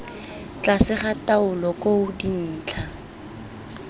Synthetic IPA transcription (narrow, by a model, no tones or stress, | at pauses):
t͡ɬasɪχataʊlɔkoʊdin̩ːt͡ɬʰa